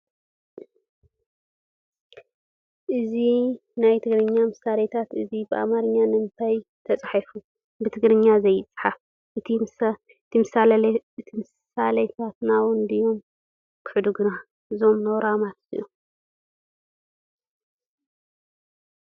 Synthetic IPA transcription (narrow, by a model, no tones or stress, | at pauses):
ʔɨzinajt̪ʰɨɡɾɨɲːamɨsalet̪ʰat̪ɨzibɨʔa̰maɾɨɲːanɨnt̪ʰajt̪ʰɐt͡sʼħifu | bɨt̪ʰɨɡɾɨɲːazɐjɪt͡sʼħaf | ʔɨt̪ʰi | ɨt̪ʰimɨsaɨt̪ʰimɨs | alɐjt̪ʰat̪nawɔnd̪ɨjo̞m | kʰɨ̥ħd̪uɡɨna | ɨzo̞mnɐwɾamat̪sɨ̰u